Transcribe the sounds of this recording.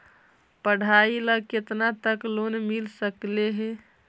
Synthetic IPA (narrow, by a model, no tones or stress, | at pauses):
pəɽ̤ʱailəɡ̚ket̪nat̪əklonmilsəkleɦɛ̃